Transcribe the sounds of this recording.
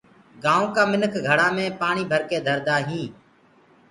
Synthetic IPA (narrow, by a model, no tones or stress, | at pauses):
ɡaːõːkaːmɪnəkʰɡʱəɽaːmẽːpaːɳiːbʱəɾkeːd̪ʱəɾd̪aːɦĩː